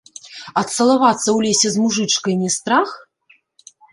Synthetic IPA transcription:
ɐt̪sɐlˠavat̪sːɐwlʲesʲɛzmuʐɨt͡ʂkɐjnʲɛst̪ɾax

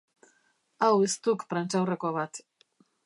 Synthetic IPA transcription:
awest̪ukpɾant͡ʃawrekoβat̪

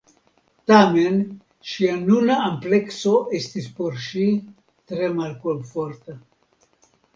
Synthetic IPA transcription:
t̪amen | ʃianunaample̞kso̞ʔest̪ispo̞ɾʃi | t̪ɾe̞malkoɱfoɾt̪a

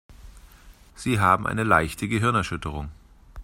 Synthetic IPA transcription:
z̥iːɦaːbm̩ʔa̰ɪnəla̰ɪçtʰəɡəɦɪɐnɛɐʃʏtəʁ̞ʊŋ

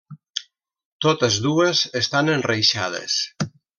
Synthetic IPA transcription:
t̪ot̪əzðuəzest̪anənrejʃa̰ð̞ə̰s

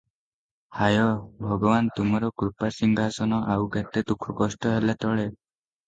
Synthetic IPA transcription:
hajɔbʱɔɡɔbant̪umɔɾɔkɾupasiŋɡʱasɔnɔʔawket̪ed̪ukʰɔkɔsʈɔɦelat̪ɔɭe

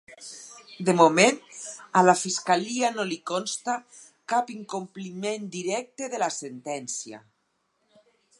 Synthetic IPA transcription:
d̪emomenalafiskalianolikɔnst̪a | kapiŋkomplimẽnd̪iɾɛk̚t̪eðelasent̪ɛnsja̰

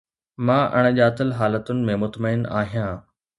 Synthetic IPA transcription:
mãːʔɐ̰ɽ̃ʄaːt̪əlɦaːlət̪ʊnɪ̆mẽmʊt̪məɪna̰ːɦijãː

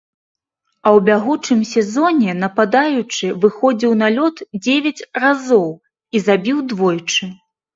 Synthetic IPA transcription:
ɐwbʲaɣut͡ʂɨmsʲɛzɔnʲɛnɐpad̪ajut͡ʂɨvɨxɔd͡zʲiwn̪alʲɔt̪d͡zʲevʲɐt͡sʲrazɔw | izabʲiwd̪vɔjt͡ʂɨ

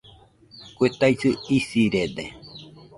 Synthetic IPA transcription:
kʷet̪ajsɨisiɾed̪ḛ

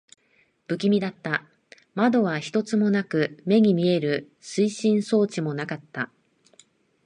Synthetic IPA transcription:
b̥ɯ̟kʲimʲid̪at̪ːa | mad̪o̞β̞açi̥t̪o̞t͡sɨmo̞nakɯ̟me̞ɲ̟imʲie̞ɾɯ̟ | sɨiɕĩɰ̃so̞ːt͡ɕimo̞nakat̪ːa

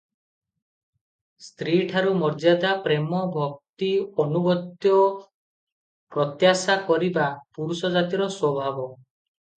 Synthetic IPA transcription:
st̪ɾiʈʰaɾumɔɾd͡ʒad̪apɾemɔbʱɔk̚t̪iɔnuɡɔt̪jɔ | pɾɔt̪jasakɔɾibapuɾusɔd͡ʒat̪iɾɔswɔbʱabɔ

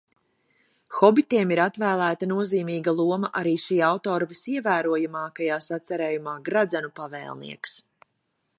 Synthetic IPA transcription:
xɔbit̪iɛmiɾat̪væːlˠæːt̪anuɔziːmiːɡalˠuɔmɐʔaɾiːʃiːawt̪ɔːɾvisiɛvæːɾuɔjamaːkajaːsat̪saɾeːjumaːɡɾad̪zɛnupavɛ̰ːlˠnḭɛks

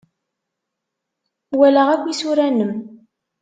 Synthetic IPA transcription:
wæləʁækʷːisuɾænəm

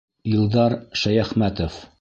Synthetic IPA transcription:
jɤ̆lˠd̪ɑɾʃæjæχmæt̪of

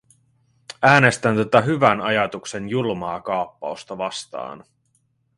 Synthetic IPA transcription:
æːne̞st̪ænt̪ot̪ɑɦyʋænɑjɑt̪ukse̞njulmɑːkɑopːɑost̪ɑʋɑst̪ɑ̰ːn

